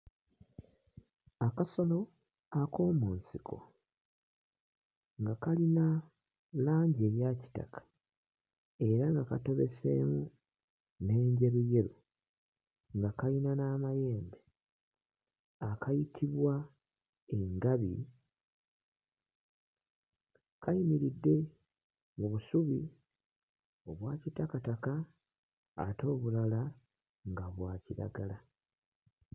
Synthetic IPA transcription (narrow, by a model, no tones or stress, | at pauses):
akaso̞lo̞ | ako̞ːmuːnsikʰo̞̰ | ŋɡakalina | laːɲɟe̞ːɾjaci̥ta̰kʰḁ | e̞ɾaŋɡakato̞βḛse̞̰ːmu | ne̞ːɲɟe̞βuje̞ɾu | ŋɡakalinanaːmaje̞ːmbe | akajitʰiβwa | eŋɡaβi | kajimiɾidːe̞ | ŋuβusuβi | o̞βwaːcitakataka̰ː | to̞ːβulala | ŋɡaβwaːciɾa̰ɡala